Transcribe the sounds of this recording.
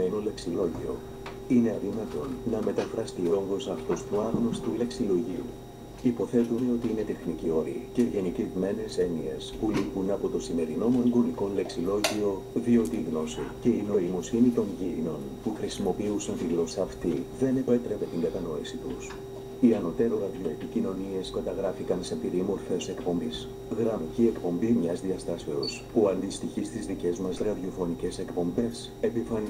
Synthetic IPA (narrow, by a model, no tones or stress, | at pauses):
enole̞ksilo̞ʝḭo̞̰ | ineɐɾimɐt̪o̞nnɐme̞t̪ɐfɾɐst̪io̞ŋɣo̞sɐft̪ost̪uɐɾnost̪ule̞ksilo̞ʝiṵ | ipo̞θe̞t̪une̞o̞t̪iine̞t̪e̞xnicio̞ɾḭce̞ʝe̞nicevme̞ne̞se̞nie̞spulipunɐpo̞t̪o̞sime̞ɾino̞moŋɡo̞niko̞nle̞ksilo̞ʝio̞ | ðio̞t̪iɣno̞sice̞ino̞imo̞sinit̪o̞ɲʝiino̞n | puxɾisimo̞piusɐnt̪iɣlo̞sɐːft̪iðe̞ne̞pe̞t̪ɾe̞ve̞t̪iŋɡɐt̪ɐno̞isit̪ṵs | iɐno̞t̪e̞ɾoɣɐðʝo̞epicino̞nie̞skɐt̪ɐɣɾɐfikɐnse̞piɾimo̞ɾfe̞se̞kpo̞mbis | ɣɾɐmicie̞kpo̞mbimɲɐzðiɐst̪ɐse̞o̞spuɐnd̪ist̪içist̪izðice̞zmɐzɾɐðio̞fo̞nice̞se̞kpo̞mbe̞s | e̞pifɐni